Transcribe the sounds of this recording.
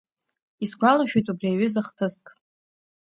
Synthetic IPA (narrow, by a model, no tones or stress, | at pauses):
isɡʷalaʃᶣejtʼubriaɥʏzaχtʰɨskʼ